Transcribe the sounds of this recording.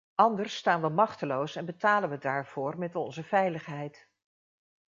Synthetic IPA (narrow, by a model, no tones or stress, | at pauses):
ɑndəɹstaːnʋəmɑχtəlowsɛnbətaːlənʋədaːɹv̥ʊːrmɛtɔnzəvɛjləχɦɛjt